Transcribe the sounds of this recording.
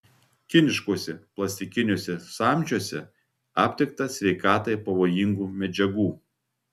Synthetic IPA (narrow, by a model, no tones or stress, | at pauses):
kʲɪnʲɪʃkoɔsʲɛplˠɐsʲt̪ʲɪkʲɪnʲoɔsʲɛsɑːˑmʲˑd͡ʒʲuɔsʲɛ | ɑːpʲt̪ʲɪk̚t̪ɐsʲʋʲɛɪkɑːt̪ɐɪpɐʋoːjɪŋɡuːmʲɛd͡ʒʲɛɡuː